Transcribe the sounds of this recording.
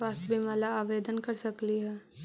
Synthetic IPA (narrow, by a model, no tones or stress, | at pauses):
aːsbʱimɛːlaaːʋeːd̪ənkɐɾsɐkliɦɛː